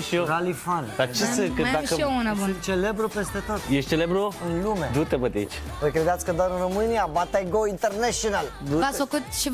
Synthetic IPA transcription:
ʃioɾalifand̪at͡ʃesekɨd̪akəiounaut͡ʃele̞bɾupe̞st̪e̞t̪ot̪jeʃt͡ʃelebɾuɨnlumed̪ut̪ebət̪eḭt͡ʃ | vojkɾed̪at̪sʲkəd̪aɾɨnromɨniabat̪aɡoint̪erneʃonald̪uasfəkut̪ʃi

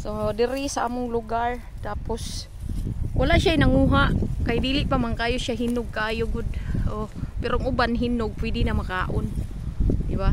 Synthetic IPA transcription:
sod̪ɪɾɪsaʔa̰ːmʊŋlʊɡaɾ | t̪aːpos | wʔalaʔʃaɪnɐŋuːɦaʔkajd̪iːlɪʔpamaŋkaːjoʃaɦinʊɡ̚kaʔaːjoɡʊd̪̚ʔopɛɾoŋʊbanɦinʊɡ̚pwid̪ɪnamakaːʔon | d̪ɪba

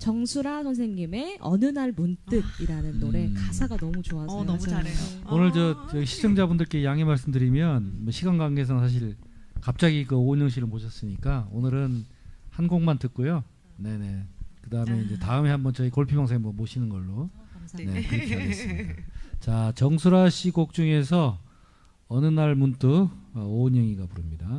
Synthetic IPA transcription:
t͡ɕʌŋsʰuɾasʰʌns̬ʰeŋɲime̞ʌ̰nɯnaɭmunt͈ɯɡ̚iɾanɯnːoɾe̞kasʰaɡanʌmut͡ɕoasʌj | onɯɭt͡ɕʌjʌɡiɕʰi̥d͡ʑʌŋd͡ʑabundɯɭk͈e̞jaŋemaɭs̬͈ɯmdɯɾimjʌnʌɕʰiɡanɡaŋɡes̬ʰʌnsʰaɕ̬ʰiɭkap̚t͡ɕ͈aɡikɯoɲʌŋɕ̬ʰiɾɯɭpoɕʰʌs͈ɯɲik͈aonɯɾɯn | hanɡoŋmantɯt̚k͈ojo | ne̞ne̞kɯdaɯme̞ind͡ʑe̞taɯme̞hambʌnt͡ɕʌikoɭpʰibaŋsʰeŋmʌmoɕʰinɯnɡʌɭːone̞kɯɾkʰiaɡes͈ɯmidat͡ɕat͡ɕʌŋsʰuɾaɕʰiɡok̚t͡ɕ͈uŋe̞s̬ʰʌ | ʌnɯnaɭmuntʰɯʌoɲʌŋiɡapuɾɯmɲida

